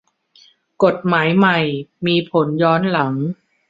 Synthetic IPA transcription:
ko˨˩t̪̚maː˩˦jma˨˩jmiː˧pʰo˩˦njɔː˦˥nla˩˦ŋ

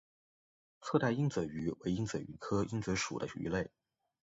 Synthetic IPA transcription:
t͡sʰɤ˥˧t̪a˥˧i˥nt͡sɤ˨˩y˧˥we˧˥ɪi˥ŋt͡sə˨˩y̰˧˥kʰɤ˥i˥ŋt͡sɤ˧˥ʂṵ˨˩d̪ə̰˦y̰˧˥le˥˩ɪ

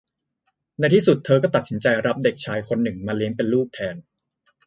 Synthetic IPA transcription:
na˧jt̪ʰiː˥˩su˨˩t̪ʰːɤː˧kɔː˥˩t̪a˨t̪̚si˩˦nt͡ɕa˧jɾa˦˥p̚de˨˩k̚t͡ɕʰaː˧jkʰo˧nːɯ˨˩ŋmaː˧li˦˥əŋpe˧nluː˥˩k̚t̪ʰɛː˧n

